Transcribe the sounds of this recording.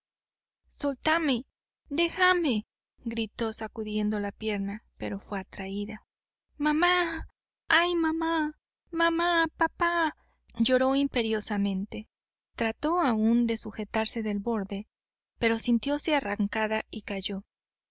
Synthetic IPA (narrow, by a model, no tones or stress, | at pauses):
so̞lt̪ame̞ | d̪e̞xame | ɡɾit̪o̞sakuðje̞nd̪olapje̞ɾnape̞ɾo̞fwe̞at̪ɾaiða | mama | ajmama | mamapapa | ʝo̞ɾo̞impe̞ɾjo̞samẽ̞nt̪e̞ | t̪ɾat̪o̞aund̪e̞suxe̞t̪aɾse̞ðe̞lbo̞ɾðe̞ | pe̞ɾo̞sint̪jo̞se̞araŋkaðaikaʝo̞